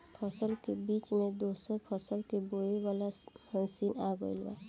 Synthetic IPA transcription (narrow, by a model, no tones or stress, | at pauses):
pʰəsəlkebiːt͡ʃmẽd̪osəɾpʰɔsəlkeboewalahə̃nsinaɡo̰ilba̰